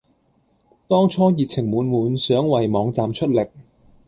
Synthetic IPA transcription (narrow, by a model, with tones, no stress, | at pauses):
t̪ɔː˥ŋt͡ʃʰɔː˥jiː˨˩k̚t͡sʰɪ˨˩ŋmuː˨˧nmuː˨˧nsœː˨˥ŋwɐ˨jmɔː˨˧˥ŋt͡saː˨mt͡ʃʰɵ˥t̚lɪ˨k̚